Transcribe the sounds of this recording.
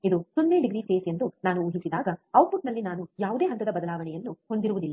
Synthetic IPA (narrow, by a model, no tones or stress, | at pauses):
id̪usunːeːɖiɡɾiːseːse̞nd̪unaːnuuːɦisid̪aːɡɐɐwbuʈnɐlːinaːnujaːʋud̪e̞ːɦɐnt̪ɐd̪ɐbɐd̪ɐlaːʋɐɳɛjɐnːuhond̪iɾuʋud̪ilːa